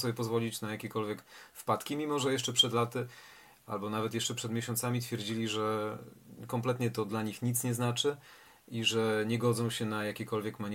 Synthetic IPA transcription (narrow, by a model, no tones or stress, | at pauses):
sɔbʲjɛpɔzvɔlʲit͡ɕnajakʲɛkɔlvʲjɛkfpat̪kʲimʲimɔʐɛjɛʂt͡ʂɛpʂɛd̪lat̪ɘ | a̰lbɔnavɛt̪jɛʂt͡ʂɛpʂɛd̪mʲeɕɔ̃nt̪samʲit̪fʲjɛɾd͡ʑilʲiʐɛ | kɔmplɛt̪ɲɛt̪ɔd̪laɲixɲit̪sɲɛznat͡ʂɘ | iʐɛɲɛɡɔd̪zɔ̃w̃ɕɛnajakʲɛkɔlvʲjɛkmaɲ